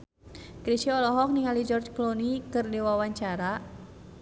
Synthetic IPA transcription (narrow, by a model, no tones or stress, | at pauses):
kɾit͡ʃiɔlɔɦɔk̚niŋalid͡ʒɔrd͡ʒklonikɨrdiwawaɲt͡ʃaɾa